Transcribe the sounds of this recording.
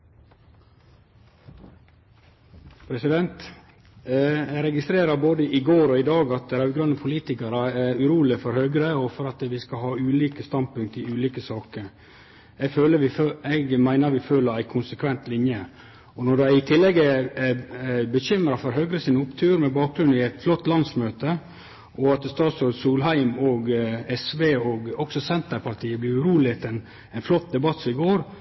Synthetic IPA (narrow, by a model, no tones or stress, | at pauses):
pʰɾɛsɪd̪ɛnt̪ | ɛɡɾɛɡɪst̪ɾeːɾəɾboːd̪əʔɪɡoːɾɔɪd̪ɑːɡɑt̪̚d̪ɛɾæɾʉɡɾœnːəpʰʊliːt̪ɪkɑɾəæʉɾuːlɪfɔɾhœɡɾəɔfɔɾɑt̪ʋɪskɑlhɑːʉːliːkəst̪ɑnd̪̚pʉŋk̚t̪ɪʉːliːkəsɑːkəɾ | ɛɡføːləɛɡmæɪnəɾʋɪføːləɾæɪkʰʊnsəkʰʋɛnt̪lɪnjə | ɔnɔɖæɪt̪ʰɪlːɛɡːə | bəɕʏmɾɑfɔɾɦœɡɾəsɪnəʊpt̪ʰʉːɾmɛbɑːk̚ɡɾʉnɪæɪt̪flɔt̪ːlɑnsmøːt̪ə | ʔɔɑt̪st̪ɑːt̪sɔɾsuːlɦhæɪmɔɡɛsʋeːɔɡɔksɔsɛnt̪əɾpʰɑɾt̪ʰiːəblɪɾʉɾuːlɪt̪ʰɛn | ɛɪnflɔt̪̚ːd̪ɛbɑt̪ːsɪɡoːɾ